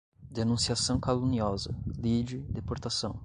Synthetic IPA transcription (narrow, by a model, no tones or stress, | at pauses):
d̪enũsiasɐ̃w̃kaluniɔzɐ̰lid͡ʒɪd̪epoɾt̪asɐ̃w̃